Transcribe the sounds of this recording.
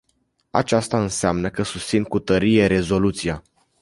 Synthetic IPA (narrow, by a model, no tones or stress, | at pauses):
a̰t͡ʃast̪aɨnseamnəkəsust̪sinkut̪əɾije̞ɾe̞zo̞lut̪sija